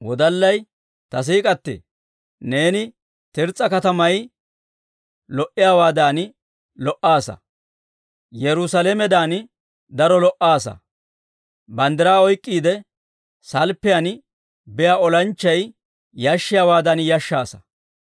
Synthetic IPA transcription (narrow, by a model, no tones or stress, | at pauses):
wɔd̪ɐlːɐj | t̪ɐs̬iːkʼɐt̪ːɛ̰ | ne̞ːnɪ | t̪ɪɾt͡sʼːɐkɐt̪ɐmɐj | lɔʔɪjawaːd̪aːn | lɔʔaːsɐ̰ | jɛɾʊsɐlemɛd̪aːn | d̪ɐɾɔlɔʔːaːsɐ̰ | bɐnd̪ɪɾaːɔjkʼːiːd̪ɛ | sɐlpːɛjan | bɛjaɔlɐnt͡ʃːɐj | jɐʃːɪjaːwaːd̪anjɐʃːaːsɐ̥